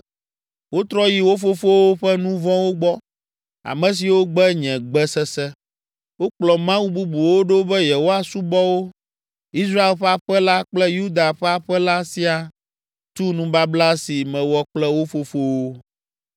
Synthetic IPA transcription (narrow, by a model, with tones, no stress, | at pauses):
wo˦t̪ɾɔ˦ji˨wo˦fo˦fo˦wo˦ɸɛ˦nũ˦vɔ̃˦wo˦ɡ͡bɔ˦ | a̰˨mɛ̃˨s̬i˨wo˦ɡ͡bɛ˦ɲɛ̃˨ɡ͡bɛ˦sɛ˦sɛ˦ | wo˦k͡plɔ˨mã˦wu˦bu˦bu˨wo˦ɖo˦bɛ˦jɛ˨wo˦a˨su˦bɔ˦wo˦ | i˦s̬ɾa˦e˨lɸɛ˦a˦˨ɸɛ˦la˦k͡plɛ˦ju˦d̪a˨ɸɛ˦a˨ɸɛ˦la˦si˦a˨ | t̪u˦nũ˦ba˦bla˦si˨mɛ̃˨wɔ˦k͡plɛ˦wo˦fo˦fo˦wo˦